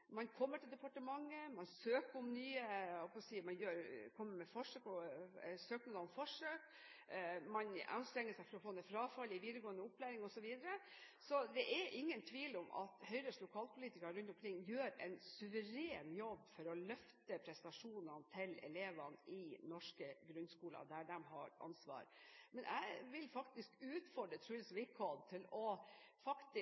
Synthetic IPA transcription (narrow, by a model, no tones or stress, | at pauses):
mɑnkʰɔmːəʈʰɪld̪ɛpɑʈəmɑŋːəmɑnsøːkəɔmnyːəhɔlpɔssiːmɑnjøːɾkʰɔmːəɾmɛfɔʂøːkɔsøːknud̪ɑnfɔʂøːk | mɑnɑ̰nst̪ɾɛŋːəʂæɪfɔɾɔfoːnɛfɾɑːfɑlɪʋiːd̪əɾɡoːənd̪əʊpʰːlæːɾɪŋɔsɔʋiːd̪əɾə | sɔd̪ɛʔæɾʔɪŋːənt̪ʰʋiːlɔmʔɑ̰t̪hœʏɾəslʊkʰɑːlpʰʊliːt̪ɪkɑɾʉnt̪ɔmkʰɾɪŋːjøːɾɛ̰nsʉʋəɾeːnjɔbːfɔɾɔlœft̪əpʰɾɛst̪ɑʂuːnɑnt̪ʰɪlɛ̰leːʋɑnʔɪnɔʂkəɡɾʉnːskuːlɑ̰d̪æɖɛmɦɑ̰ɾɑ̰nsʋɑ̰ːɾmɛnʔæ̰ɪʋɪlfɑkt̪ɪskʉːt̪fɔɖɾət̪ʰɾʉːlsʋɪkʰɔd̪̚t̪ʰɪlɔ | fɑkt̪ɪ